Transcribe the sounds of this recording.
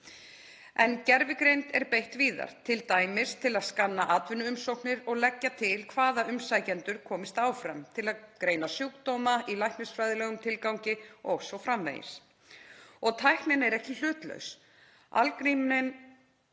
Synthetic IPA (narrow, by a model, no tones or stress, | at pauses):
ɛncɛɾvɪkɾejnt̪ɛɾpejht̪viːða̰ɾ̥t̪ʰɪlt̪aːjmɪst̪ʰɪlaðskanːaʔaːt̪vɪnːʏʏmsowknɪɾɔɣlɛcːat̪ʰɪlkʰvaːðaʏmsajcɛnt̪ʏɾ̥kʰɔːmɪst̪aːwfɾɛmt̪ʰɪlaðkɾeːjnasjuwkt̪owmaʔilajhknɪsfɾajðlɛɣʏmt̪ʰɪlkawɲcɪɔɣsɔwfɾamvḛjɪ̰s | ɔɣt̪ʰajhknɪnɛɾɛhcɪl̥ʏːt̪lœ̰ɥws | a̰lkɾimnɪn